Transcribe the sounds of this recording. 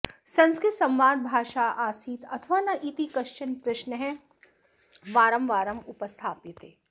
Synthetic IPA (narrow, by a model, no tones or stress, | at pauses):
sɐ̃nskesɐ̃mʋaːd̪̚bʱaːʃaːʔaːsiːt̪ɐt̪ʰʋaːnɐʔit̪ikɐʃt͡ʃənpɾɪʃnəɦɛ̃ | ʋaːɾəmʋaːɾəmʊpəst̪ʰaːpɪt̪eː